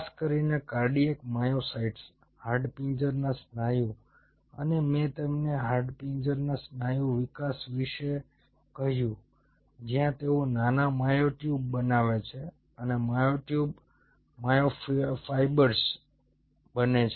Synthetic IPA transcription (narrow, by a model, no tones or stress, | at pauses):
skəɾinekaɾɖiekmajosaiʈs | haɾɖpind͡ʒəɾnasnajũ | ə̰nemẽt̪emneɦaɾɖpind͡ʒəɾnasnajũʋikasʋiʃe | kəɦjũ | d͡ʒijãt̪eunanamajoʈjubːənaʋet͡ʃʰe | ənemajoʈjub | majoffaibəɾs | bənet͡ʃʰ